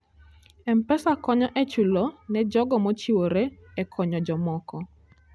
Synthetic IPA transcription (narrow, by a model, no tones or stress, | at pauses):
ɛmpɛsakɔɲɔʔɛt͡ʃulɔnɛd͡ʒɔɡɔmɔt͡ʃiwoɾeɛkʰɔɲɔd͡ʒɔmɔkɔ